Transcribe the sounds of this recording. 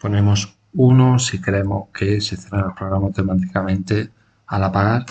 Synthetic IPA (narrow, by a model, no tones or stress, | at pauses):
po̞nẽ̞mo̞s | unosikɾemohkʰe̞seθeranopɾoɣɾamot̪emat̪ikamẽ̞nt̪e̞ | alapaɣaɾ